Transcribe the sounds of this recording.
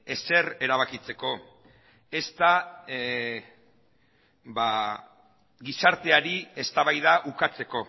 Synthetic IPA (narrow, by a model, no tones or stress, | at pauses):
e̞se̞re̞ɾaβ̞akit͡se̞ko̞ | e̞st̪a | ba | ɡisaɾt̪e̞aɾie̞st̪aβajðaʔukat͡se̞ko̞